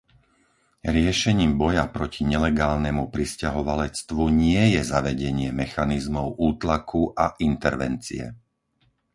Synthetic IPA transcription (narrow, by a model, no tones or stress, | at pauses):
ɾɪɛʃɛɲiːmbɔjapɾɔciɲɛlɛɡaːlnɛmupɾiscaɦɔʋalɛt͡st̪ʋuɲɪɛjɛzaʋɛɟɛɲɪɛmɛxanizmɔʊʔuːt̪lakʰuʔaʔint̪ɛɾʋɛ̰nt͡sḭɛ̰